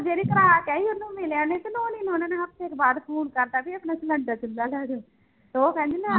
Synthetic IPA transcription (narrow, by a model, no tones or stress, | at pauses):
d͡ʒeːɾiːkɾaːkɛːiːʊnːũːmɪljãːneːt̪enoːniːnõːneːnãap̚t̪ʰeːkbaːd̪pʰoːnkəɾt̪aːpiəpnãːt͡ʃiləɳɖaːt͡ʃʊnd̪aːlɛːd̪oː | t̪ooːkɛ̃ːnd̪iːnã